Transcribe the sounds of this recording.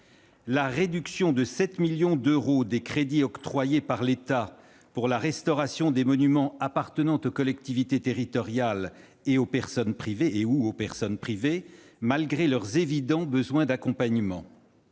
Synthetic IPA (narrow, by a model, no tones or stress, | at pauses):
laʁed̪yksjɔ̃d̪əsɛt̪miljɔ̃d̪øʁod̪ekχed̪iɔkt̪χwajepaʁlet̪a | puʁlaʁɛst̪ɔʁasjɔ̃d̪emɔnymɑ̃apaʁt̪ənɑ̃t̪okɔlɛk̚t̪ivit̪et̪eʁit̪ɔʁjal | eopɛʁsɔnpχiveːuopɛʁsɔnpχivemalɡʁelœʁzevid̪ɑ̃bəzwɛ̃d̪akɔ̃paɲmɑ̰̃